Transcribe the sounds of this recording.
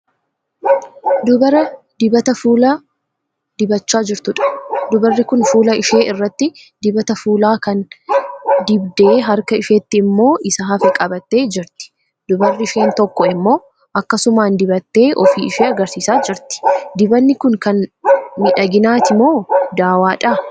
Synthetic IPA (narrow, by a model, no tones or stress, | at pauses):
d̪ʊbɐɾɐ | d̪ɪbɐt̪ɐfuːlɐ | d̪̥ɪbɐt͡ʃːaːd͡ʒɪɾt̪ʊᶑɐ̥d̪ʊbɐrːɪkʊnfuːlɐɪʃeːɪrːɐt̪ːɪ | d̪ɪbɐt̪ɐfuːlaːkɐn | d̪ɪbd̪e̞ːɦɐɾkɐɪʃeːt̪ːɪːmːo̞ːʔɪsɐɦɐfɛkʼɐbɐt̪ːe̞ːd͡ʒɪɾt̪ɪ̥ | d̪ʊbɐrːɪɪʃe̞ːnt̪ɔkːɔɪmːo̞ː | ʔɐkːɐsʊmaːnd̪ɪbɐt̪ːe̞ːʔɔfiːɪʃeːɐɡɐɾsiːsaːd͡ʒɪɾt̪ɪ̥d̪ɪbɐnːɪkʊŋkɐnmɪᶑɐɡɪnaːt̪ɪmo̞ːd̪aːwaːᶑɐː